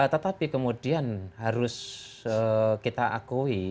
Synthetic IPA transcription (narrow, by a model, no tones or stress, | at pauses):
t̪ət̪apikəmudianɦaɾʊsəkit̪aʔakui